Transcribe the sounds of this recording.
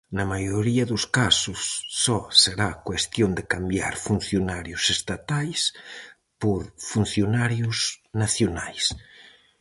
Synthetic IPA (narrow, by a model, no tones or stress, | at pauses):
nɐmajoɾiɐðʊskasʊsːɔseɾakwest̪jond̪ekambja̰ɾfun̟θjonaɾjʊsest̪at̪ajs | poɾfun̟θjonaɾjʊsnaθjonajs